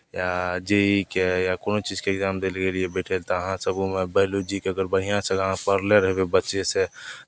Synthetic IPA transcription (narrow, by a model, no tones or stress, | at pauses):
jad͡ʒeikejakoːnot͡ʃiːd͡ʒkeɪɡzaːmd̪eːlkeliebɛːʈʰelt̪oəɦãsəbmẽbəɦlod͡ʒikeəɡəɾbəɦijãseɡããpəɾleɾəɦbebətːʃese